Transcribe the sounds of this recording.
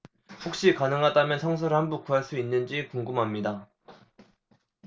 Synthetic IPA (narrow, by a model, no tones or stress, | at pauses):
hok̚ɕ͈ikanɯŋɦadamjʌnsʰʌŋs̬ʰʌɾɯɭhanbuk͈uɦaɭs͈uinːɯnd͡ʑikuŋɡɯmɦamɲida